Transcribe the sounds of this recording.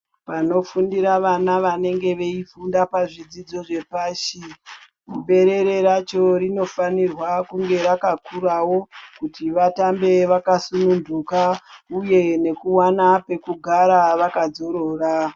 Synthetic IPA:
pano̞fundiɾaʋanaʋane̞ŋɡe̞ʋe̞ifundapaʐid͡zid͡zo̞ʐe̞paːʃi | kube̞ɾe̞ɾe̞ɾat͡ʃo̞rino̞fanirwakuŋɡe̞ɾakakʰuɾawo̞kutiʋatambe̞ʋakasunundukauje̞ne̞kuwanape̞kuɡʱaɾaʋakad͡zo̞ɾo̞ːra

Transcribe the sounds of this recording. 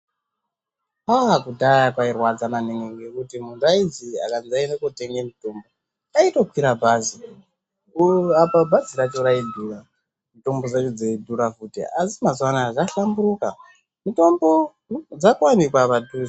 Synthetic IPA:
paɦakudʱajakwairwad͡zamaneŋɡeŋɡekutimund͡zaid͡zia̰kanzainekute̞ŋɡemitombo | kaito̞kwiɾabʱaːzi | uapabʱaziɾat͡ʃoɾaidʱuːra | mito̞mbo̞d͡zet͡ʃud͡zedʱuɾavutḛasimazwanaːʐaɬambuɾuka | mito̞mbo̞ | d͡zakwanikwaʋadu

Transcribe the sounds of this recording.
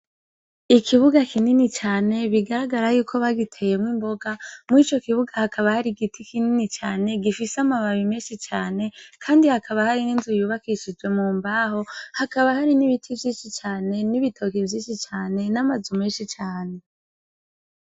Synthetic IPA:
ikʰiβuɡakʰininit͡ʃaːne̞βiɡaɾaɡaɾajuːkʰo̞βaɡitʰe̞je̞mŋiːmbo̞ɡamwit͡ʃo̞kiβuɡahakʰaβahaɾiɡitʰikininit͡ʃaːne̞ɡifisamaβaβimeːʃit͡ʃaːne̞kʰaːndihakaβahaɾininzujuːβakiʃid͡ʒwe̞muːmbaːɦo̞hakaβahaɾiniβitʰivjiːʃit͡ʃaːne̞niβitʰo̞kivjiːʃit͡ʃaːne̞namazumeːnʃit͡ʃaːne̞

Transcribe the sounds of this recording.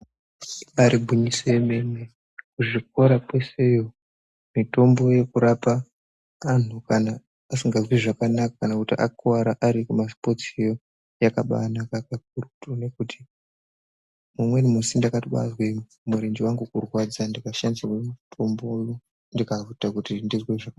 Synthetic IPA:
aɾibʱuɲisoeme̞ne | kuʐik̚oɾapwe̞se̞jo̞ | mito̞mbo̞je̞kuɾapaː | n̤ukanaː | siŋɡazwiʐakanakakanakutiʔa̰kuaɾaʔaɾikumaspo̞t͡sejo̞ | jakaɓa̰nakakak̚urutone̞kuti̥ | mumwe̞nimusindakatiɓa̰zwe | muɾend͡ʒiwaŋɡukurwad͡zandikaʃandiwemutʰo̞mbo̞jo | ndikavutakutindizweʐak

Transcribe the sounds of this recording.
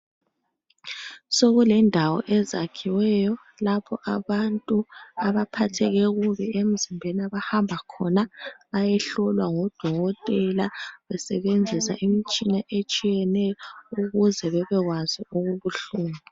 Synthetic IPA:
soɣulɛndʱawɔ̰ʔɛzakʰiwɛːjɔ | lapʰɔʔaβantʼuaβapʰatʰɛɣɛɣuβɛem̩zimbʱeniaβahambʱakʰɔnaβajɛɬɔlwaŋɔd̥ʱɔɣɔtʼɛlaβɛsɛβend͡zʱisa̰ʔimit͡ʃʼinaʔet͡ʃʼijɛnɛjɔuɣuzɛβɛβɛɣwaziuɣuβuɬuːma

